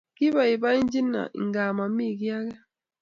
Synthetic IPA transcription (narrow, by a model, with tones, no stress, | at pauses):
ki˦ba˨i˨ba˦i˦n˦d͡ʒi˦na̰˨ʔḭ˨ŋɡa˨ma˨mi˦˨ki˦a˦kɛ˦